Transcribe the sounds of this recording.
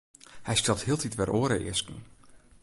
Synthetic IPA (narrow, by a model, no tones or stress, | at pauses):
hɛjstɛlˠthɪːəlˠtʰitʋɛrʔoəɾəʔɪ̰əskn̩